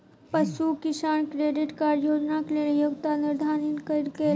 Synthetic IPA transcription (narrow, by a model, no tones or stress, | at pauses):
pəsukɪsaːɳkɾeːɖiʈkaːɾɖjoːd͡ʒnakleːnejuɡt̪aniɾd̪ʱaːninkəɾke